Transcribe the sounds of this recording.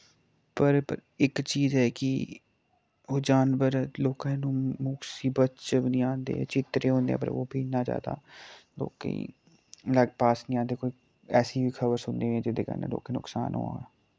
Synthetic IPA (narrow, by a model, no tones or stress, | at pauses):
pəɾpəɾɪkt͡ʃiːzɦɛːkɪ | oːd͡ʒaːnʋəɾloːkãːnũːmʊksiːbətt͡ʃbnĩːãːnd̪ḛːt͡ʃɪt̪ɾeːɦõːnd̪ḛːɛ̰̃pə̰ɾo̰ːbʱiːnaːd͡ʒa̰ːd̪a̰ːlo̰ːkḛḭ | ləɡpaːsnĩːãːnd̪eːkoːiː | ɛːsiːbiːkʰəbəɾsʊnd̪eːʋẽɛ̃ːd͡ʒɪd̪eːkə̰nḛlʊ̰ːkẽːnʊksa̰ːnɦo̰ːa̰ː